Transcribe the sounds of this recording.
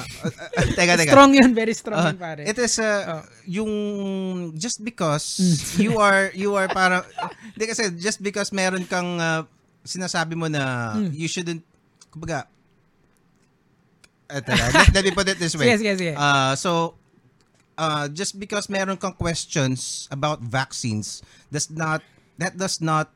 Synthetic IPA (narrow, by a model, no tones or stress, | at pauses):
t̪ɐɡat̪ɐɡaɾoŋjonvɛɾist̪ɾoopaɾɛɪt̪ɪsɐ | jʊŋ | d͡ʒɐst̪̚bɪkɔsjuʔɐɹjuʔɐɹpaːɾɐd̪ɛkɐsɛd͡ʒɐst̪̚bɪkosmɛːɾonkɐŋɐ | sɪnaːsaːbɪmonɐjʊʃʊd̪ɛnt̪̚ | kʊmbɐɡa | ʔɛt̪ɛnɛt̪̚mipʊt̪ɪt̪̚d̪ɪswejɛɛsɛaso | ʔɐd͡ʒɐst̪̚bɪkɔsmɛɾonkɐŋkwɛst͡ʃɔnsʔɐbawt̪̚vaksĩns | d̪ɐsnɐt̪̚ | d̪ɐt̪̚d̪ɐsnɐt̪̚